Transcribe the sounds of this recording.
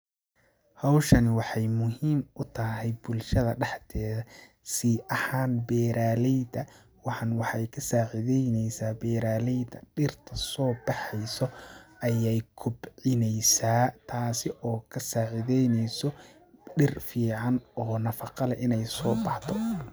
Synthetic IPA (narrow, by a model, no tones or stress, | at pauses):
hɑwʃɐnwɑħɑjmʊɦiːmʔʊt̪ʰɐɦɛjbʊlʃɐðɐɖɑħt̪ʰɛːðɐ | siːʔɐhaːnbɛːɾaːlɛjd̪ɐ | wɑħɑnwɑħɑjkʰɐsaːʕɪðɛjnɛjsaːbɛːɾaːlɛjd̪ɐɖɪrt̪ʰɐsɔːbɑħɛjsɔʔɐjɛjkʰʊbʕɪnɛjsaːt̪ʰaːsɪʔɔːkʰɐsaːʕɪðɛjnɛjsɔ | ɖɪrfiːʕɑnɔːnɐfɑqɑlɐʔɪnɛjsɔːbɑħt̪ʰɔ